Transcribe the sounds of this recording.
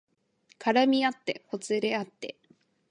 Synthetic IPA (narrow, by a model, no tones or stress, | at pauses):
kʰaɾamʲiat̪ːe̞̰ko̞t͡sɨɾe̞at̪ːe̞